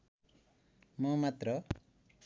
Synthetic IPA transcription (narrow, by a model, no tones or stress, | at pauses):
mumat̪ɾɔ